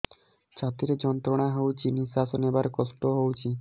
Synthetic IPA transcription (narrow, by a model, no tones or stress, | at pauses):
t͡ɕʰat̪iɾed͡ʑɔnt̪ɾoɽ̃aɦowt͡ɕʰinisasonebaɾkɔsʈoɦowt͡ɕʰi